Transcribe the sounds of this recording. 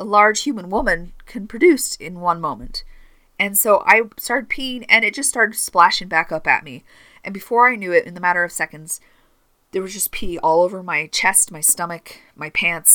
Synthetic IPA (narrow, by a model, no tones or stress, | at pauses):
əlɑɹd̥ʒ̥hjʉmə̃nwʊmɨ̃nkʰɨ̃npʰɹ̥ɨdʉsɪ̃nwʌ̃nmõʊ̃mɨ̃nt | ɨ̃nsoʊʔa̰ɪstɑɹɾd̚pʰiɪ̃ŋɨ̃nɨt̚d̥ʒ̥ʌststɑɹɾɨd̥splæʃɪ̃ŋbækʌpɨ̰t̚mi | ʔɨ̃nbɨfɔɹaɪnjʉɪɾʔɨ̰̃nðəmæɾə˞ʌv̥sɛkɨ̃n̩dz̥ | ðə˞wʌzd͡ʒʌspʰiɔlˠoʊvə˞maɪt͡ʃʰɛst̚maɪstʌmɨk | maɪpʰæ̃nts